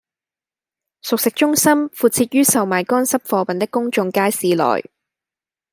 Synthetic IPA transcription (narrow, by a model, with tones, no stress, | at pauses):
sʊ˨k̚sɪ˨k̚t͡ʃʊ˥ŋsɐ˥mfuː˨˩t̚t͡sʰiː˧t̚ɥyː˥sɐ˨wmaː˨˩jkɔː˥nsɐ˥p̚fɔː˧pɐ˨nt̪ɪ˥kːʊ˥ŋt͡sʊ˧ŋkaː˥jsiː˨˧lɔ̰ː˨˩j